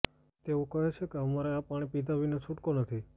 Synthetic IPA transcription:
t̪eokəɦet͡ʃʰekeɦəmaɾeapaɽ̃ipid̪ʱaʋinet͡ʃʰuʈkonət̪ʰi

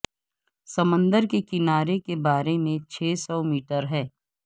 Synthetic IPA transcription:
sɐmə̃nd̪əɾkekɪnaːɾekebaːɾemẽt͡ʃʰeːsɔmiːʈəɾɦɛː

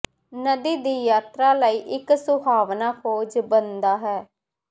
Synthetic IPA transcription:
nəd̪iːd̪iːjaːt̪ɾaːləiːʔɪksʊbʱaːʋnaːkʰoːd͡ʒbənd̪aːɦɛː

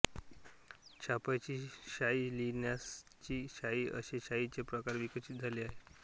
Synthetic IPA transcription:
t͡ɕʰapajt͡ɕiːɕailinjast͡ɕiːɕaiːʔə̰ɕeɕait͡ɕepɾəkaɾʋikəɕit̪̚d͡zʱaliːaɦe

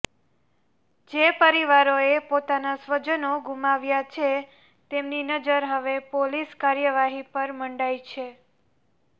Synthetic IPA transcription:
d͡ʒepəɾiʋaɾoepot̪anasʋəd͡ʒənoɡumaʋjat͡ʃʰe | t̪emninəd͡ʒəɾɦəʋepoliskaɾjəʋaɦipəɾməɳɖait͡ʃʰe

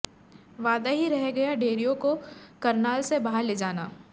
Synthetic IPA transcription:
ʋaːd̪aɦiɾɐɦɡɐjaɖeːɾijõkokɐɾnaːlsebaɦaɾleːd͡ʒaːnaː

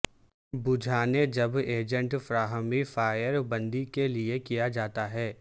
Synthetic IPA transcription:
bʊd͡ʒʱaːned͡ʒɐbeːd͡ʒə̃ɳʈfɾaːɦəmifaːjəɾbɐ̃nd̪ikeliekijad͡ʒaːt̪aɦɛː

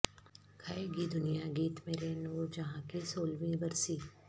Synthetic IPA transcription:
kʰaeɡid̪ʊnijaɡiːt̪meːɾenoːɾd͡ʒɐɦãkisoːlʋĩbɐɾsiː

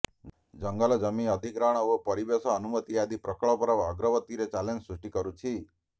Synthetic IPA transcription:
d͡ʒəŋɡalɔd͡ʒəmiəd̪ʱikɾaɳ̃ɔʋopəɾibesɔːnumət̪ijad̪ipɾəkɭɔpəɾəʋaɡɾəʋət̪iɾet͡ʃalend͡ʒsɾuʂʈikəɾut͡ʃʰi

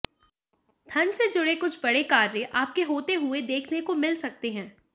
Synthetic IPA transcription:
t̪ʰɐnsed͡ʒʊɽekʊt͡ʃʰbɐɽekaːɾjəʔaːp̚keɦoːt̪eɦʊed̪eːkʰnekomɪlsɐk̚t̪eɦɛ̃ː

